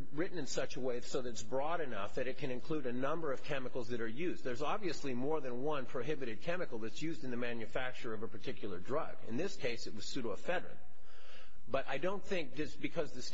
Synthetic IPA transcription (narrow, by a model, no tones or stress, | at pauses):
ɹɪʔn̩ɨ̃nsʌt͡ʃəweɪsoʊðɨɨtsbɹɔɾɨnʌfðɨɾɨt̚kʰɨ̃ñɨ̃nkʰl̥uɾɨnʌ̃mbə˞ʌv̥kʰɛmɨkl̩ˠzðɨɾə˞jʉzðə˞zɑbviɨslimɔɹðɨ̃nwʌ̃npʰɹ̥oʊɦɪbɨɾɨd̚kʰɛmɨkl̩ˠðɨtsjʉzdɨ̃nðɨmæ̃njɨfæk̚t͡ʃə˞ʌvəpʰə˞tʰɪkʰjl̩ˠə˞dɹʌ̰ɡ̥ɨ̰̃nðɪskʰeɪsɨt̚wʌz̥sʉɾəəfɛɾɹɨ̰̃n | b̥ʌɾʔa̰ɪdõʊ̃nθɪ̃ŋk̚ðɨsb̥ɨkʰʌzðɨs